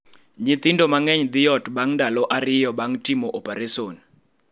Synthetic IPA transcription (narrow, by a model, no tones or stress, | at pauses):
ɲit̪indɔmaŋɛɲd̪ɪjɔtɓaŋndalɔʔaɾɪjɔɓaŋtʼimɔʔɔpʼɛɾɛsoːni